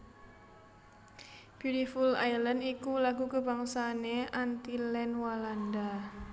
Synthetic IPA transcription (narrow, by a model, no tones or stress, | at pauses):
b̥iɾifula̰jlənikulaɡukəbaŋsaneant̪ilɛnwalanda